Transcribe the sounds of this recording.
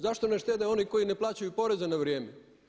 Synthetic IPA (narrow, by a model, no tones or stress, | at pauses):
zaʃt̪o̞neʃt̪ed̪eo̞niko̞ine̞plˠaːt͡ɕajupo̞ɾezenaʋɾijeːme